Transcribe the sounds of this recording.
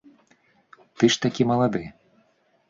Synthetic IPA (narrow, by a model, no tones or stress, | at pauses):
t̪ɨʂt̪akʲimɐlˠad̪ɨ